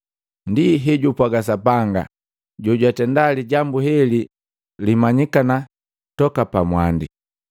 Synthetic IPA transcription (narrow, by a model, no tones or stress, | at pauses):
ndiɦɛɟupwaɡas̬apaŋɡa̰ | ɟɔɟwatɛndaliɟambuhɛli | limaɲikana | tɔkapamwandi